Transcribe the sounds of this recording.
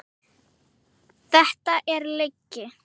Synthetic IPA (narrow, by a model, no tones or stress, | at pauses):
θɛht̪aʔɛɾlejcːɪ